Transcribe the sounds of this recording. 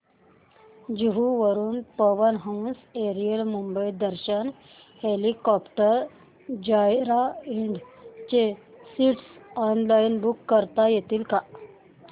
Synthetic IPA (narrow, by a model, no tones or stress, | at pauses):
d͡ʑuɦuʋəɾuːnpəʋənɦãwnseɾijəlmumbəjd̪əɾɕən | helikɔpʈəɾ | d͡ʑajɾaiɳɖt͡ɕesiʈsɔnlainbukːəɾt̪ajet̪iːlka